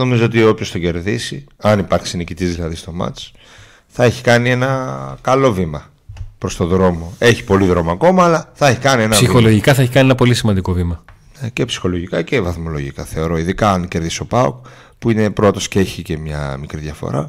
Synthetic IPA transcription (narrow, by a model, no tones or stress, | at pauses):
no̞mizoot̪iopço̞st̪oɟe̞ɾðisiɐnipɐɾksinicit̪izðilɐðist̪o̞mɐ̰t͡s | θɐe̞çi̥kɐnie̞nɐkɐlo̞vimɐ | pɾo̞st̪o̞ðɾo̞mo̞e̞çi̥po̞liðɾo̞moɐko̞mɐːlɐθɐeçikɐnie̞nɐɐsixoloʝikɐθɐeçikɐnienɐpo̞lisimɐnd̪iko̞vimɐ | nece̞psi̥xo̞lo̞ʝikɐce̞vɐθmo̞lo̞ʝikɐθe̞o̞ɾo̞iðikɐɐnce̞ɾðiso̞pɐo̰k | puine̞pɾot̪o̞scee̞çice̞mɲɐ̰mikɾiðʝɐfo̞̰ɾɐ̰